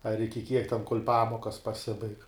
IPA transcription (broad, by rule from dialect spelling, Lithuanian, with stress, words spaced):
ɐr ɪkʲɪ kʲiɛk tʲɛn koːlʲ ˈpɑːmoːkɐs pɐˈsʲɪbɐɪk